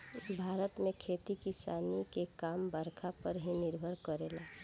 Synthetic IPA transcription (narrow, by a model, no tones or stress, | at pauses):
bʱaːɾət̪mẽkʰeːt̪ikisaːnikekaːmbəɾkʰapəɾɦinɪɾbʱəɾkəɾeːlaː